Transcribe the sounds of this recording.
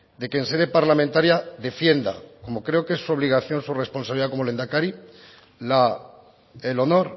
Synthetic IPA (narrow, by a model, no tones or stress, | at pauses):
d̪e̞kense̞ðe̞paɾlamẽnt̪aɾjaðe̞fje̞nd̪a̰ko̞mo̞kɾe̞okesːuo̞β̞liɣ̞aθjo̞nsure̞spo̞nsaβliðako̞mole̞nd̪akaɾi | la | elo̞no̞ɾ